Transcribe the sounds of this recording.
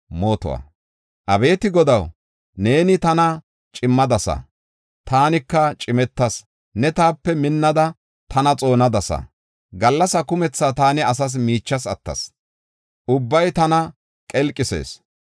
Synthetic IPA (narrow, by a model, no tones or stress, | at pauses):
moːt̪ɔ̰wɐ̰ | ʔɐbe̞ːt̪ɪɡɔd̪ɐw | ne̞ːnɪt̪ɐnɐ | t͡ʃʼɪmːɐd̪ɐsɐ̰ | t̪aːnɪkːɐt͡ʃʼɪmɛt̪ːɐs | nɛt̪aːpːɛmɪnːɐd̪ɐ | t̪ʰɐnɐt͡sʼo̞ːnɐd̪ɐsɐ̰ | ɡɐlːɐsɐkʊmɛt͡sːaːt̪aːnɪɐs̬ɐs̬miːt͡ʃːɐsɐt̪ːɐ̰s | ʔʊbːɐjt̪ɐnɐ | kʼɛlkʼːɪsḛːs